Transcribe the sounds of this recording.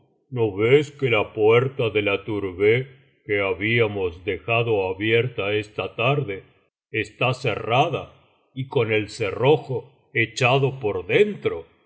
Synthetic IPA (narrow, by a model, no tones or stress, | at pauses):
no̞βeskelapweɾt̪aðe̞lat̪uɾβe | keaβiamo̞zd̪e̞xaðo̞aβje̞ɾt̪aest̪at̪aɾðe̞ː | st̪ase̞̰raða | iko̞ne̞lsero̞xo̞ | et͡ʃaðo̞po̞ɾðe̞nt̪ɾo̞